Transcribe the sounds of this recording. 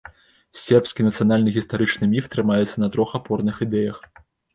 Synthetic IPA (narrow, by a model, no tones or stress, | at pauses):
sʲɛrpskʲinɐt̪sɨjanalʲnɨɣʲist̪aɾɨt͡ʂnɨmʲift̪ɾɨmajɛt̪sːɐnɐt̪ɾɔxapɔrnɨxid̪ɛjɐx